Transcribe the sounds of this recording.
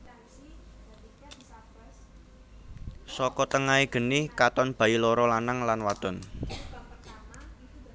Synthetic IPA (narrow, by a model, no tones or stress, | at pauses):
sɔkɔt̪əŋaeɡ̥ə̤nɪkat̪ɔnb̥a̤ilɔɾɔlanaŋlanwad̪̥ɔ̤n